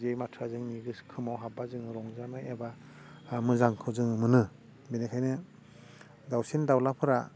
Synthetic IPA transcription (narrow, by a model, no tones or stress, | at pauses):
zejmatʰazɯŋniɡɯskʰɯmawɦabazɯŋɯɾɔŋzanɯeba | mɯzaŋkʰɯwzɯŋɯmɯnɯ | benekʰajnɯ | dawsindawlapʰɯɾa